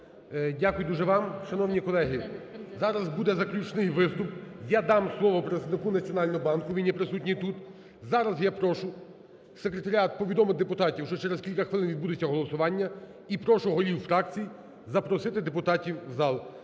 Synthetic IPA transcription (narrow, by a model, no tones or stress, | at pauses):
dʲakʊjʊd̪uʒɛʋɑmʃɐnɔwnʲikɔlˠɛɦi | zɑɾɐzbud̪ɛzɐklʲut͡ʃnɪjʋɪst̪ʊpjad̪ɑmslˠɔʋɔpɾet̪d̪nɪkunɐt͡sʲijɔnɑlʲnɔɦɔbɑnkʊʋʲijnʲːipɾɪsutʲnʲijt̪ut̪ | zɑɾɐzjapɾɔʃʊ | sekɾet̪ɐɾʲɑt̪̚pɔʋʲid̪ɔmɪwd̪epʊt̪ɑtʲiwʃt͡ʃɔt͡ʃɛɾeskʲilʲkɐxʋɪlˠɪnʋʲid̪̚bud̪et͡sʲːɐɦɔlˠɔsʊʋɑnʲːɐ | ipɾɔʃʊɦɔɾʲiwfɾɑkt͡sʲij | zɐpɾɔsɪt̪ɪd̪epʊt̪ɑtʲiwzɑlˠ